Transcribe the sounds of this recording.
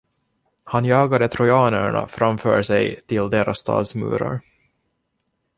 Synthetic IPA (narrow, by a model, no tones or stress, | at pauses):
hanjɑːɡad̪ət̪ʰɾɔjɑːnəɳa̰fɾamfœːɾʂɛjt̪ʰɪld̪eːɾʔasːt̪ʰɑ̰ːd̪smʉ̟̰ːɾa̰ɾ